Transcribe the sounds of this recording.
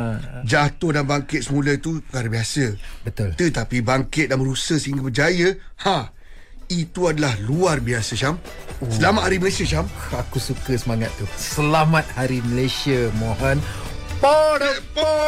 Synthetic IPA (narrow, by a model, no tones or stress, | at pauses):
d͡ʒat̪ʊhdanbaŋkɪt̪̚səmulət̪upəkaɾəbiasəbət̪ʊlt̪ət̪apibaŋkɪt̪̚daməɾusəhsəiŋɡabəd͡ʒajəha | it̪uadalahluarbiasət͡ʃam | səlamat̪̚haɾiməlesiəʃamakusukəsəmaŋat̪ːusəlamat̪̚haɾiməlesiəmoɦɔn | pɔɾəpo